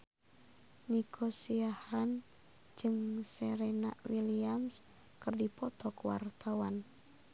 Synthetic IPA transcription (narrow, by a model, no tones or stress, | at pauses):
nikʰɔsiahan | d͡ʒɨŋsɛɾenaʔwiliams | kɨrdipɔt̪ɔkuwa̰rt̪awan